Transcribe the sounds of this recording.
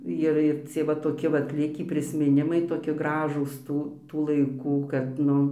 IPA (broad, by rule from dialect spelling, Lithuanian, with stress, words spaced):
ˈɪr ɪr ˈt͡sʲiɛ ʋɐ toːˈkʲɪ ˈʋɐt ˈlʲɪkʲiː pʲrʲɪsʲmʲɪˈnʲɪmɐɪ toːˈkʲiɛ ˈɡrɑːʒuːs ˈtuː tuː lˠɐɪˈkuː kɐt ˈnʊ